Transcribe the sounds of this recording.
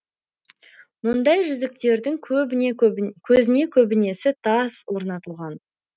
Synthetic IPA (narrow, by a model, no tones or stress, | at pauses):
mʊnd̪ɑjʒʏzɪk̚t̪e̞ɾd̪ɪŋʰɵ | kʲʰɵzɪne̞kʲʰɵbɪne̞sɪt̪ʰɑswo̞ɾnɑt̪əlˠʁɑn